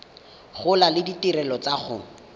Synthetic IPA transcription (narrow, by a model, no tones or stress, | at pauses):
χʊlalɪditirɛlɔt͡saχʊ̰